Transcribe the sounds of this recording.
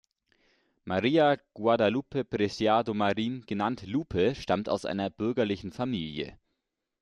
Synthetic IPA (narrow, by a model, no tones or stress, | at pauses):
maʁiːaɡ̥wadaluːpəpʁɛsjaːdomaʁiːnɡ̥ənantluːpʰəʃtamta̰ʊsʔa̰ɪnɐb̥ʏɐɡɐlɪçn̩famḭːljə̰